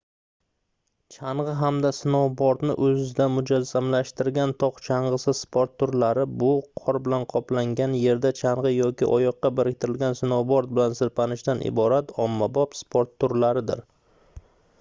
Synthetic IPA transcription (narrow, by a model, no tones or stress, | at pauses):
t͡ʃʰaɴʁɨɦamd̪asɪnɒwbɒɾt̪nɪ̰ʔɵzɪd̪amʊd͡ʒazːamlaʃt̪ɪɾɡʲant̪ʰɒqt͡ʃʰaɴʁɨsɪzspʰoɾt̪ʰːʊɾlaɾɪbʊqʰɒɾbɪlanqʰɒplaŋɡʲanje̞ɾd̪at͡ʃʰaɴʁɨjɒkʲɪ̰ʔɒjɒqːɑbɪɾɪk̚ʲt̪ʰɪɾɪlɡʲansɪnɒwbɒɾt̪̚bɪlansɪɾpʰanɪʃt̪anʔɪ̰bɒɾat̪ʰɒmːabɒpspʰoɾt̪ʰːʊɾlaɾɪd̪ɪ̰ɾ